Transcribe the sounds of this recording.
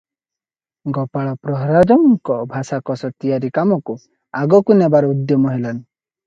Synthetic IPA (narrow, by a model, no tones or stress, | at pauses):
ɡɔpaɭɔpɾɔɦɾad͡ʒɔŋkɔbʱasakɔsɔt̪ijaɾikamɔku | aɡɔkunebaɾɔud̪jɔmɔɦelɔn